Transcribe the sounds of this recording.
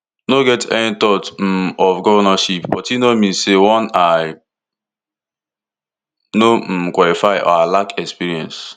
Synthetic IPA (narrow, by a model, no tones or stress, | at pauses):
noɡɛtɛ̰nitɔt̩ɔfɡɔvɔnaʃipbɔtinomĩsewɔ̃naɪ | nokwɔlifaɪʔɔ̰alakɛkspiɹiɛ̰̃ns